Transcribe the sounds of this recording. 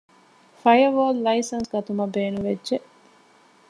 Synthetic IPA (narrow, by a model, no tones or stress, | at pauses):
fɐjɐʋoːllɐisɐnsɡɐt̪umɐbeːnuʋedʒeʔ